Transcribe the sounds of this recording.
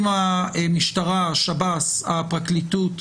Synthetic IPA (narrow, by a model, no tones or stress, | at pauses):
maemiʃtaʁaʃabasapʁaklitut